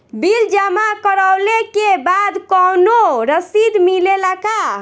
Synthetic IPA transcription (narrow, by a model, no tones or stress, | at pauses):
bild͡ʒamakəɾəwlekebad̪kɔnoɾəsid̪milelaka